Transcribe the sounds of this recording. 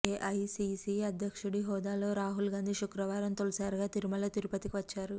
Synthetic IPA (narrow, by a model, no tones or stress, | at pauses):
eːʔɐjsisiɐd̪ʱjɐkʂuɽiɦɔːd̪aːlo̞ːɾaːɦulɡaːnd̪ʱiʃukɾɐʋaːɾɐmt̪olɐsaːɾuɡaːt̪iɾumɐlɐt̪iɾupɐt̪ikiʋɐt͡ʃːaːɾu